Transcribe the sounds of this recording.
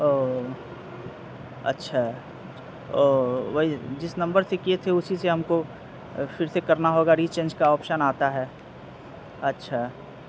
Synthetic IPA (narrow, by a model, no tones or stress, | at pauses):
oː | ɐ̰tːʃʰa | oːʋɐid͡ʒɪsnɐ̃mbəɾsekiet̪ʰeʊsiseɦɐmko | fɪɾsekɐɾnaɦoːɡaɾiːt͡ʃẽːnd͡ʒkaɔːpʃənaːt̪aɦɛː | ɐtːʃʰaː